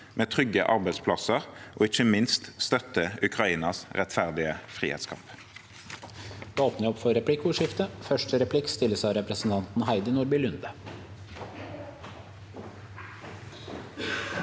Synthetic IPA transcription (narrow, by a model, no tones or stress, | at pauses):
meːt̪ʰʁʏɡə̰ʔɑʁbæɪspʰlɑsəʁʔo̰ːɪçəmɪnst̪st̪œt̪əʉkʁɑiːnɑsʁɛt̪fæʁd̪ɪəfʁḭːhɛ̰t̪skʰɑ̰mp | d̪oːpnəɔpfɔɾɛpʰlɪkuːʂɪft̪əfœʂʈəɾɛpʰlɪkst̪ɪləsɑɪɾɛpɾəsn̩t̪ʰɑnt̪n̩hæɪd̪ənuːɾbɪlʉnd̪ə